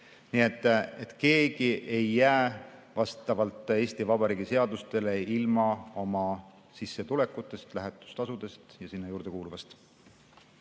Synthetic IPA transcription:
nie̞t̪ːˑe̞t̪ke̞ːɡiʔe̞jːæːvɑst̪ɑvɑlt̪ːˑe̞ːst̪ivɑb̥ɑɾiːɡ̥ise̞ɑd̪ust̪e̞le̞ilmɑo̞mɑ | sisːet̪ule̞kːˑut̪ːˑe̞st̪læɦet̪ːˑu̥st̪ɑsud̪e̞st̪jɑsinːɑjuːɾd̪̥e̞kuːluvɑst̪

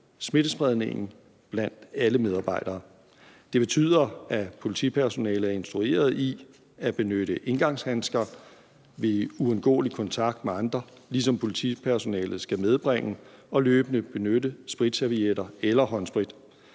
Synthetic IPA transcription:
sme̝d̥əsb̥ʁɛð̞ˠne̝̰ŋn̩ | b̥læn̰d̥æləmeð̞ˠɑ̈ːb̥ɑ̈ɪ̰d̥ɐː | d̥e̝b̥e̝t͡sʰy̰ð̰ˠɐæpʰo̝lit͡sʰipʰæɐso̝nɛ̰ːlð̩æɐe̝nsd̥ʁue̝̰ːɐð̞ˠi | æb̥e̝nøɾ̥əʔe̝nɡ̥ɑ̈ŋ̰shænsɡ̥ɐ | ʋe̝uɔnɡ̥ɔ̰ːlikʰɒ̽nt͡sʰɑ̈ɡ̥d̥meɑ̈nd̥ʁɐlis̬ɒ̽mpʰo̝lit͡sʰipʰæɐso̝nɛ̰ːlð̞̩ˠsɡ̥æmeð̞ˠb̥ʁeŋ̰əɒ̽løːb̥ənəb̥e̝nødəsb̥ʁid̥sæʋieɾɐelɐɦɒ̽nsb̥ʁid̥

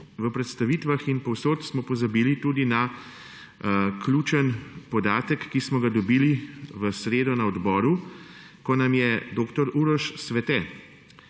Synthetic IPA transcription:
ʋəpɾɛt̪st̪aʋit̪ʋaxinpɔwsoːt̪smɔpɔzabiːlit̪uːd̪ina | kluːt͡ʃənpɔd̪aːt̪əkːismɔɡad̪ɔbiːliʋəsɾeːd̪ɔnaɔd̪bɔːɾu | kɔnamjɛd̪oːkt̪ɔɾuɾɔʃsʋɛt̪ɛ

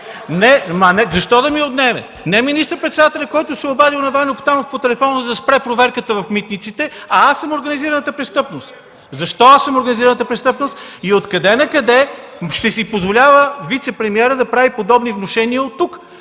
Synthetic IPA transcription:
nɛmɐnɛzɐʃt̪ɔd̪ɐmiod̪nɛmɛ̰ | nɛminist̪əɾpɾɛt̪sɛd̪at̪ɛlʲɐkɔjt̪ʊsɛobad̪ilˠnɐvanopt̪anofpot̪ɛlɛfɔnəzɐspɾɛpɾovɛɾkət̪əvɐfmit̪nit̪sit̪ɛɐasːəmoɾɡɐniziɾɐnət̪əpɾɛst̪ɤpnost̪ | zɐʃt̪ɔasːəmoɾɡɐniziɾɐnət̪əpɾɛst̪ɤpnost̪iot̪kɐd̪ɛnɐkɐd̪ɛʃt̪ɛsipozvolʲavəvit̪sɛpɾɛmiɛɾəd̪ɐpɾavipod̪ɔbnivnoʃɛniəot̪ːuk

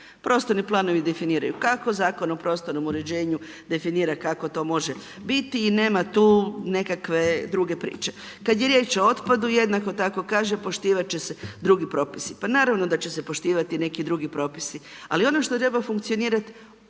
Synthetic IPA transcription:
pɾo̞ːst̪oɾniplˠaːno̞ʋid̪e̞finiːɾa̰jukako̞zaːko̞nopɾo̞st̪o̞ɾno̞muɾe̞d͡ʑe̞ːɲu | d̪e̞finiːɾakako̞t̪o̞ːmo̞ʒe | bit̪iːne̞ːmat̪uːne̞kakʋe̞d̪ɾuɡe̞pɾḭːt͡ʃe̞ | kad̪je̞ɾje̞ːt͡ʃo̞o̞t̪pad̪uje̞d̪nako̞t̪ako̞kaːʒepo̞ʃt̪iːʋat͡ʃe̞se̞d̪ɾuɡipɾo̞ːpisipanaːɾaʋno̞d̪at͡ɕe̞se̞po̞ʃt̪iːʋat̪ine̞kid̪ɾuɡipɾo̞ːpi̥sia̰lio̞noʃt̪ot̪ɾe̞bafuŋkt̪sio̞niːɾat̪

